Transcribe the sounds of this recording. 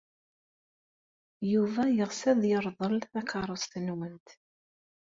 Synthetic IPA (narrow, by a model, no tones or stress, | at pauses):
juvæjəʁsæðjəɾˤðˤəlθækɑɾˤəsˤt̪nwənt̪